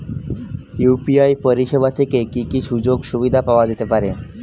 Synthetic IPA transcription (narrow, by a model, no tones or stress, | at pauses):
jupiajpoɾiʃeβat̪ʰekekikiʃud͡ʑoɡʃubid̪ʱapaoad͡ʑet̪epaɾe